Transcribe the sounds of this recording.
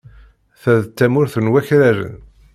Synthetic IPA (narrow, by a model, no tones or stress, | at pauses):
θæðt͡s̪ːæmʊɾθənwæçɾæɾə̰n